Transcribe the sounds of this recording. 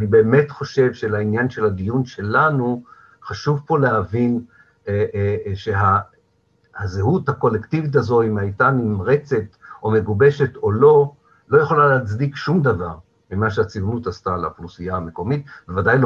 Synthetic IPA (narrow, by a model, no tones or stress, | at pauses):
nibe̞ːme̞tχo̞ʃe̞vʃelainjanʃe̞lad̪ijunʃe̞lanu | χaʃuvpo̞leɦavin | eʃe̞ɦa | hazeɦuthako̞lektivit̬azo̞imhajtanimʁe̞t͡se̞tʔo̞me̞ɡube̞ʃe̞to̞lo̞ | lo̞jaχo̞laleat͡sdikʃumd̪avaʁ | mimaʃeat͡sivnutastala̰χlusiaame̞ko̞mitvevadajl